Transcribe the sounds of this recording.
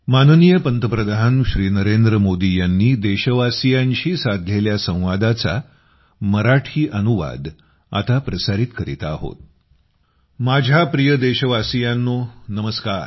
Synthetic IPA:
manənijəpənt̪əpɾəd̪ʱaɦənɕɾiːnəɾend̪ɾəmod̪ijanːiːd̪eɕəʋasijaɲt͡ɕiːsad̪ʱleljasə̃w̃ʋad̪at͡sa̰ | məɾaʈʰiːʔənuʋa̰d̪ | a̰t̪apɾəsaɾiːt̪kəɾḭt̪aːɦo̰t̪̚ | mad͡ʑʱapɾijəd̪eɕəʋasijanːonəməskaɾ

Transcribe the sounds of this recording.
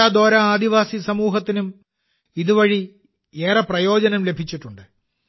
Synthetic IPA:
aːd̪o̞ːɾɐaːd̪iʋaːsisɐmuːɦɐt̪ːinum | iðuʋɐɻi | eːrɐprɐjo̞ːd͡ʑɐnɐmle̞bʱit͡ɕːiʈːuɳɖɨ

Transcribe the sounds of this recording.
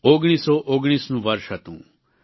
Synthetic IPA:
oɡɽ̃iːsɔʔoɡɽ̃iːsnũʋɐɾʃɐt̪ṵ̃ː

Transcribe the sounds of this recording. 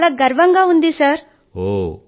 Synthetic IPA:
laɡɐɾʋɐŋɡaɦund̪isɐɾ | ɦo

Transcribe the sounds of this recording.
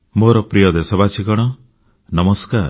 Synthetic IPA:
moɾɔpɾijɔd̪esɔbat͡ʃʰikɔɽ̃ɔ | nɔmɔskaɾ

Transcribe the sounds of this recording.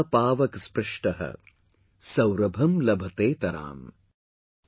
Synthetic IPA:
paːʋɐkspɾɪʂʈɐɦɐ̰ | sɐwɾɐbʱɐmlɐbʱɐt̪eːt̪ɐɾa̰ːm

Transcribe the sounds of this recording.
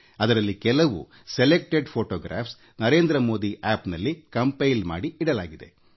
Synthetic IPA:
ɐd̪ɐɾɐlːikɛlɐʋṵ | selek̚ʈeɖpʰoːʈoːɡɾa̰ːps | nɐɾe̞ːnd̪ɾɐmo̞ːd̪iʔaːpnɐlːikɐmpɐjlma̰ːɽiiɽɐlaːɡid̪e̞̰

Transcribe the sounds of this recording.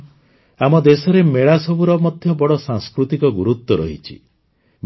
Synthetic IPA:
amɔd̪esɔɾemeɭasɔbuɾɔmɔd̪ʱjɔbɔɽɔsaŋskɾut̪ikɔɡuɾut̪ːɔɾɔ̰ɦit͡ʃʰḭ | m

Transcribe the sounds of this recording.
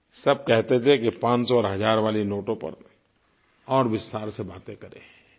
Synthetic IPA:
sɐb̚kɛɦt̪et̪ʰekipãːt͡ʃsɔɔːɾɦɐzaːɾʋaːlinoːʈõpɐ̰ɾ | ɔːɾʋɪst̪ʰaːɾsebaːt̪ekɐɾḛ̃ː

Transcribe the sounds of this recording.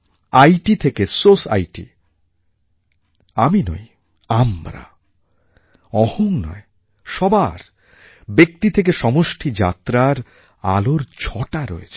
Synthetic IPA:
ajʈit̪ʰekesosa̰jʈḭ | amino̰j | amɾa̰ | ɔhoŋnɔ̰e | ʃɔbaɾ | bek̚t̪it̪ʰek̬eʃɔmoʃʈʰid͡ʑa̰t̪ɾaɾ | a̰loɾd͡ʑʱɔʈaɾoḛt͡ɕʰi̥

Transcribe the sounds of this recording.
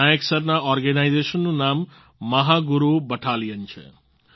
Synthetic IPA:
ajeksʌrnaɔrɡenajzesʌnːunamː | ʌɦaɡuɾubʌʈʰalijənt͡sʰʌ̰

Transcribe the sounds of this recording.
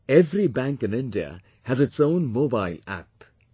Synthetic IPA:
ɛvɾibæ̃ŋkɨ̃nɪ̃ndiə̰ | hɨzɨtsõʊ̃nmobaɪlæ̰p

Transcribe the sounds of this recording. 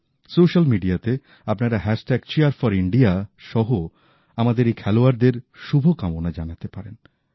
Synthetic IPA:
soʃalmiɖiat̪e | apnaɾaɦɛʃʈɛɡt͡ɕiaɾfɔɾiɳɖiaʃɔɦo | amad̪eɾejkʰɛloaɾd̪eɾʃubʱokamonad͡ʑanat̪epaɾen

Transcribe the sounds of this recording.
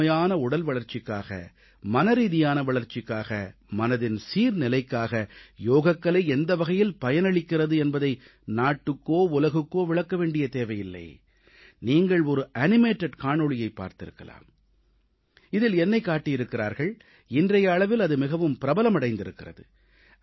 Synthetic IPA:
jaːnɐʊɽɐlʋɐɭɐɾt͡ʃɪkːa̰ːɣɐ̰ | mɐnɐɾiːðɪjaːnɐʋɐɭɐɾt͡ʃɪkːaːɣɐmɐnɐðɪnsiːɾnɪlɐɪkːaːɣɐjoːɣɐkːɐɭɐɪɛnd̪ɐʋɐɣɐjɪlpɐjɐnɐɭɪkːɪrɐðɯɛnbɐðɐɪ | naːʈːɯkːoːʊlɐɣɯkːoːʋɪɭɐkːɐʋeːɳɖɪjɐt̪eːʋɐjɪlːɐ̰ɪ | niːŋɡɐɭɔɾɯʔɐnɪmeːʈːɐɖkaːɳɔɭɪjɐɪpːa̰ːɾt̪ɪ̰ɾɯ̰kːɐ̰la̰ːm | ɪðɪlɛnːɐɪkːaːʈːɪjɪɾɯkːɪɾa̰ːɾɣɐɭ | ɪndrɐjɐːɭɐʋɪlɐðɯmɪɣɐʋɯmpɪɾɐbɐlɐmɐɽɐɪnd̪ɪɾɯkːɪrɐðɯ̰

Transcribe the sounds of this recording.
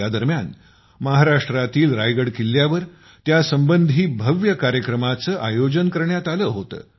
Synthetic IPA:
jad̪əɾmjan | məɦaɾaʂʈɾat̪iːlɾajɡəɽkilːjaʋəɾ | t̪jasəmbənd̪ʱiːbʱəʋjəkaɾjəkɾəmat͡səːʔajod͡ʑənkəɾɳjat̪aləːɦot̪ə̰ː

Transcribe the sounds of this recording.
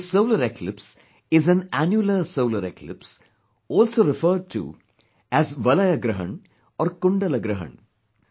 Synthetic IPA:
soʊləɾeklɪps | ɪzæ̃nænjuləsoʊləɾeklɪ̰ps | ɔːlsoːɾɪfəːɖ̚ʈṵ | æzʋɐlɐjɐɡɾɐɦə̰̃ɳ | ɔːɾkʊ̃ɳɖɐləɡɾəɦə̰̃ɳ

